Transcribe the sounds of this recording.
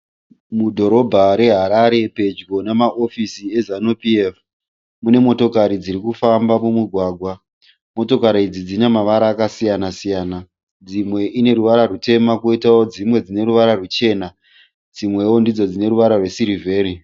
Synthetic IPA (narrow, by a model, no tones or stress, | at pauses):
mudʱo̞ɾo̞bʱaɾe̞ɦaɾaɾe̞pe̞d͡ʒɡo̞namaʔo̞fisiezanupief | mune̞mo̞to̞kaɾid͡ziɾikufambamumuɡʱwaːɡʱwa | mo̞to̞kaɾiid͡zid͡zinamaʋaɾaːkasijanasijaːna | d͡zimwe̞ʔine̞ɾuʋaɾarute̞makoitao̞d͡zimwe̞d͡zine̞ɾuʋaɾarut͡ʃe̞ːna | d͡zimwe̞wo̞ndid͡zo̞d͡zine̞ɾuʋaɾarwe̞siɾivʱe̞ːɾi